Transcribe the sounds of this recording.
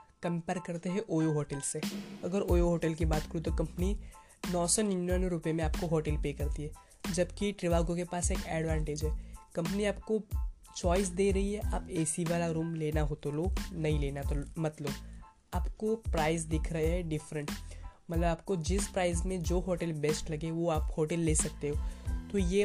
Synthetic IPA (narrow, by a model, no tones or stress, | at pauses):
kɐ̃mpɛːɾkɐɾt̪eɦɛ̃ʔoːjoɦoːʈəlseɐɡəɾoːjoɦoːʈəlkibaːt̪kəɾut̪okɐ̃mpəni | nɔːsɔnjunənɾʊpemẽaːp̚koɦoːʈəlpeːkɐɾt̪iɦɛː | d͡ʒɐbkiʈɾɪʋaːɡõkepaːseːkɛːɖʋãːɳʈeːd͡ʒɦɛːkɐ̃mp̬niaːp̚ko | t͡ʃɔːɪs̬d̪eːɾɐɦiɦɛʔaːpɛːsiʋaːlaɾũːmleːnaɦoːt̪olonɐɦĩleːnat̪omɐt̪lob | aːpkopɾaːɪz̬d̪ɪkʰɾɐɦeɦɛɖɪfɾə̃ɳʈmɐt̪ləbaːp̚kod͡ʒɪspɾaːɪzmẽd͡ʒoːɦoːʈəlbɛːsʈlɐɡeʋoaːphoːʈɛlːeːsɐk̚t̪eɦoːt̪ojeː